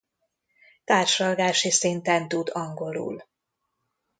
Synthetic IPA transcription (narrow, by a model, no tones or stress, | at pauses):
t̪aːrʃlɒlɡaːʃisint̪ɛnt̪ud̪ɒŋɡo̞lṵːl